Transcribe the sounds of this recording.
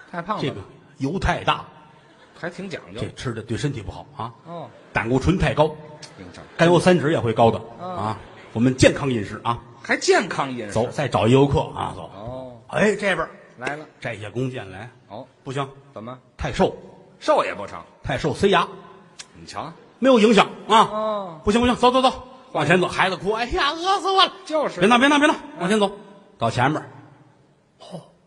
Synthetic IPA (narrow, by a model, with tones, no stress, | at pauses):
t̪ʰa˥˧ɪpʰɑ˥˩ŋʈ͡ʂe˥˩ɡə˩ | jo˧˥ʊt̪ʰa˥˧ɪt̪a̰˥˩ | xa˧˥ɪt̪ʰi˧˥ŋt͡ɕjɑ̰˨˩˦ŋ˧e˥˩ʈ͡ʂ̩ʰ˥d̪ə˨t̪we˥˩ɪʂə˥nt̪ʰi˨˩pu˥˩xɑ̰˨˩˦ʊa˧ | t̪a̰˨˩nkɔ˥˩ʈ͡ʂʰwə˧˥nt̪ʰa˥˩ɪkɑ˥ʊi˧˥ŋ̰˧˩ka˥˧njo˥˧˩sa˥nʈ͡ʂɻ̩˧˥jɛ˨˩xwe˥˩ɪkɑ˥ʊd̪ə˨a˥˧ | wɔ˨˩mə˦nt͡ɕjɛ˥˩nkʰɑ˥ŋi˥˧nʂɻ̩˥˩ʔa˧ | xa˧˥ɪt͡ɕjɛ˥˩nkʰɑ˥ŋi˥˧nt͡so˧˥ʊt͡sa˥˩ɪʈ͡ʂɑ˨˩ʊi˥˧jo˧˥kʰɤ̰˥˩a̰˧˩t͡sɔ̰˨˧˩ḛ˥˩ɪʈ͡ʂbə˞˨˩la˧˥ɪlə˧ʈ͡ʂa˥˩ɪi˧˩ɕjɛ˥˧kʊ˥ŋt͡ɕjɛ̰˥˩nla˧˥ɪ˧˥pu˥˩ɕi˧˥ŋt͡sə˨˩m˦t̪ʰa˥˧ɪʂo˥˩ʊ | ʂo˥˩ʊjɛ̰˨˩pɔ˥˩ʈ͡ʂʰɑ̰˧˩˦ŋt̪ʰa˥˧ɪʂo˥˩ʊse˥ɪja˧˥˨ | t͡ɕʰɑ̰˧˥˦ | m˧˥ɪjo˧ʊi˧˥ŋɕ̬jɑ˨˧˩ŋɐ˧pu˥˩ɕi˧˥pi˧˥ŋt͡st͡st͡sʰwɑ˨˧ŋɕʰɛ˧˥nt͡so˧˩ʊxa˧˥ɪd͡zə˧kʰu˥a˥˩˥lə˥slo˥˧˥na˥˩pjna˥˧pjɛ˥n˥˩wɑ˧ŋt͡ɕʰɛ˧˥nt͡so˧ʊ | t̪ɑ˨˩ʊt͡ɕʰjɛ˧˥nbə˨˦ | ɔ˧˩